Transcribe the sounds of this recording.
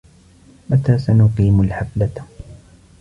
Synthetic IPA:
mat̪aːsanʊqiːmalħaflat̪

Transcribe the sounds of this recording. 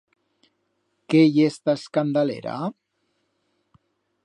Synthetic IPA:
kejest̪askand̪alḛɾa̰

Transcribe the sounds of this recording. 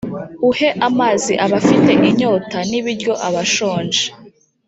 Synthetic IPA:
uhe̞ʔamaːziʔaβafite̞ʔiɲo̞ːtaniβiɾjo̞ʔaβaʃo̞ːnd͡ʒe

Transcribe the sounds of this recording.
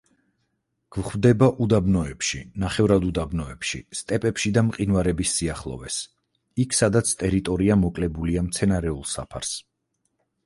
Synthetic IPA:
ɡ̥vχvd̪ɛbaʔud̪abnɔɛpʃinaχɛvɾad̪ud̪abnɔɛpʃḭst̪ʼɛpʼɛpʃid̪amqʼinvaɾɛbisːiaχlˠɔ̰vɛs | ikʰsad̪at̪sʰt̪ʼɛɾit̪ʼɔɾiamɔkʼlɛbuliamt̪sʰɛnaɾɛulˠsa̰pʰa̰ɾs

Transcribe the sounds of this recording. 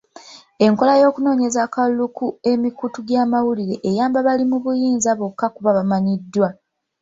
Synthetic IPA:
e̞ŋko̞lajo̞ːkuno̞ːɲe̞zakalukue̞mikutuɡjaːmawuliɾe̞ʔːjaːmbaβalimuβujiːnzaβokːakuβaβamaɲidːwa

